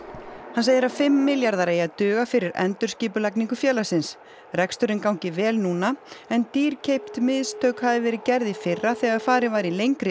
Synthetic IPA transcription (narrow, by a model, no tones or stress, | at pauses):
hanseːjðɪɾafɪmːɪljaɾðaɾeːjat̪ʏːɣafɪɾɪɾʔɛ̰nt̪ʏɾ̥sciːpʏlajkniŋkʏfjɛːlasɪns | rɛkst̪ʏɾɪnkawɲcɪvɛːlnuːnaɛnt̪iːɾ̥cʰejpt̪mɪðst̪ʰœːwkhaðɪvɛːɾɪðcɛɾðɪfɪrːaθɛɣað̥faːɾɪvaːjɾilejŋkɾɪ